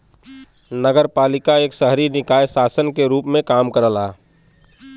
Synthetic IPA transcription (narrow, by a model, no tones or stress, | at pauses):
nəɡəɾpaːlɪkaeːksəɦɾinɪkaːjsaːsənkeɾuːpmẽkaːmkəɾəlaː